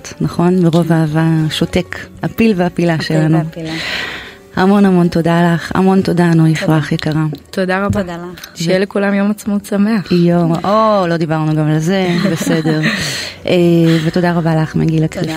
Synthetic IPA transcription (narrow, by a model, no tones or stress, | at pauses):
tnaχo̞nmeʁo̞vaːvaʃote̞kapilveapilaʃelanu | amo̞namo̞nto̞dalaχa̰mo̞nto̞danuifʁaχjekaʁat̪odaʁabʃjelekulamjomat͡smot͡sameaχjomʔolo̞d̪ibaʁnuɡamlezebesede̞ʁʔeveto̞daʁabalaχmeɡilakti